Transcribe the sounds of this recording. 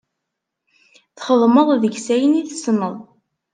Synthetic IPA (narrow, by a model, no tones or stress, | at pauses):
θχəðˤməðˤðəʝsæjəniθəsnəðˤ